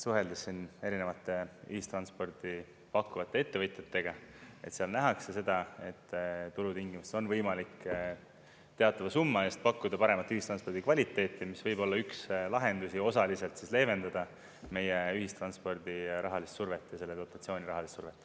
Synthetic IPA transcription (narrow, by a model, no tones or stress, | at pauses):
suɦe̞ld̪esːine̞ɾine̞vɑt̪ːˑe̞y̰hist̪rɑnspo̞rd̪̥i | pɑkːuvɑt̪ˑːe̞e̞t̪ːe̞vɤjt̪jet̪ːe̞ɡ̥ɑe̞t̪seɑlnæɦɑkse̞se̞d̪̥ɑe̞t̪ːt̪ːulut̪iŋɡimuseo̞nvɤjmɑlik | t̪e̞ɑt̪ːˑɑvɑsumːɑe̞ːst̪̚pɑkːud̪̥ɑpɑɾe̞mɑt̪ːˑyhist̪rɑnspoɾd̪̥ikvɑlʲit̪ːˑe̞ːt̪ˑːimisvɤjbo̞lːɑykslɑɦe̞nd̪usio̞sɑlise̞lt̪sisle̞ːve̞nd̪ɑd̪ɑ | me̞jeyɦist̪rɑnspo̞rd̪̥iɾʔɑɦɑlist̪surve̞t̪ˑːjɑse̞lːed̪ot̪ːˑɑt̪sio̞ːnʲiɾɑɦɑlist̪surve̞t̪ːˑ